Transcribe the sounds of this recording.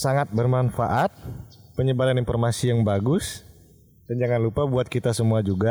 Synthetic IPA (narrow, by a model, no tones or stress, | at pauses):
saŋat̪̚bərmanfa̰ʔat̪̚pəɲəbaɾaninfɔrmasijaŋbaɡʊs | d̥and͡ʒaŋanlupabuat̪̚kit̪asəmuad͡ʒuɡa